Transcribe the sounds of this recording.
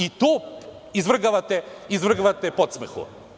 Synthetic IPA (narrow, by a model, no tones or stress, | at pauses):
it̪oː | izvr̩ɡaʋat̪ɛizvr̩ɡaʋat̪ɛpot̪smexṵ